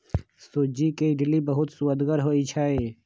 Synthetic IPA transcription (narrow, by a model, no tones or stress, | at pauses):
suːd͡ʒikeɖɪlibɐɦʊt̪suəd̪ɡəɾɦoːit͡ʃʰaːɦeː